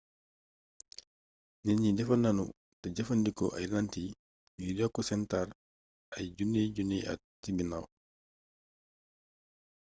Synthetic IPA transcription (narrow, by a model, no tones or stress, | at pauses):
nɛnɲidɛfanːanṵ | taɟafandikɔʔa̰jlanti | jidɔkːɔsɛntaɾ | ʔajɟunɛɟunɛa̰ | tːibina̰w